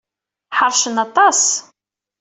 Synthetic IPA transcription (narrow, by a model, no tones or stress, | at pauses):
ħɑɾˤʃənɑt̪ˤɑs